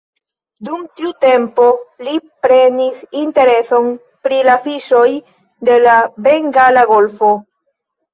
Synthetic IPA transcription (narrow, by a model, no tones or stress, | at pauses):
dumtiute̞mpo̞lipɾenisinte̞ɾe̞so̞n | pɾilafiʃo̞j | de̞labe̞ŋɡalaɡo̞lfo̞